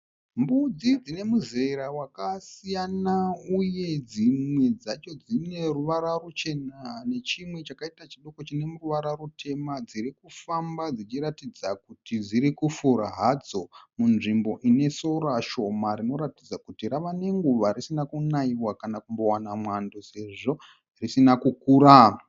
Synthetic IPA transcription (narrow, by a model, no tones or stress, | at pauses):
mbud͡zid͡zine̞muzeɾawakasijanauje̞d͡zimwe̞d͡zat͡ʃo̞d͡zine̞ruʋaɾarut͡ʃe̞nane̞t͡ʃimwe̞t͡ʃakaitat͡ʃiɗo̞ko̞t͡ʃine̞muruʋaɾarutʰe̞mad͡ziɾikufambad͡zit͡ʃiɾatid͡zakutid͡ziɾikufuɾa̰ɦad͡zo̞munʐimbo̞ʔine̞so̞raʃo̞maɾino̞ɾatid͡zakutiraʋane̞ŋɡuʋaɾisinakunaiwakanakumbo̞wanamwando̞se̞ʐo | risinakukuːɾa